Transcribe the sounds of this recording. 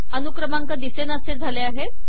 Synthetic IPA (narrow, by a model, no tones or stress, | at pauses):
ənukɾəmaŋkad̪isenased͡zʱaleaɦe